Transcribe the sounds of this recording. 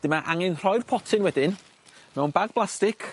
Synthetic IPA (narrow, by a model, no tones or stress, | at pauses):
d̥ɪmaʔaŋɪnr̥ɔjr̥pʰɔtʰɪnwɛdɪn | mɛwnbaɡ̚b̥lˠastɪkʰ